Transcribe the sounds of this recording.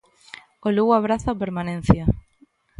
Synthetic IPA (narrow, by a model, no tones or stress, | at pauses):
oluɣaβɾaθapeɾmanẽn̟θja